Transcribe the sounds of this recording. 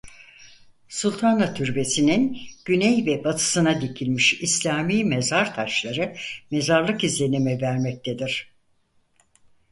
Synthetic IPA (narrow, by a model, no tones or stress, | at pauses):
sulʲˠt̪ʰanat̪ʰyɾbe̞sininɟ̥ynɛjvɛbat̪ʰɯ̥sɯnad̪ecʰilʲmiʃislʲaːmiːmezaɾt̪ʰaʃlˠaɾɯme̞zaɾlˠɯkizlʲe̞nemɛvæɾmɛc̚t̪ʰed̪iɾ̥